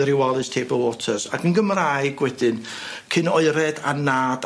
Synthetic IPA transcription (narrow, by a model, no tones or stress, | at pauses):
ɾiwalˠɨstʰebɔlˠwɔtʰərsaɡənɡəmraɨɡwɛdɨn | kʰɨnɔɨɾɛda̰naːd̥